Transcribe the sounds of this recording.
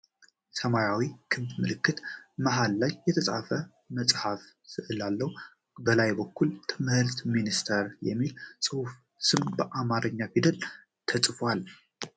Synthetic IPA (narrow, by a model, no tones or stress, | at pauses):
səmajawikʰɨmb̪mɨlɨkːɨt̪maɦalːajːɛt̪ʰəsʼa̰fə | məsʼhaf | sɨʔɨlalːəw | bəlajbəkːult̪ʰɨmhɨɾt̪minist̪ʰəɾjɛ̰mːilsʼɨhuf | sɨmbəʔamaɾəɲːafid̪əl | t̪ʰəsʼfwal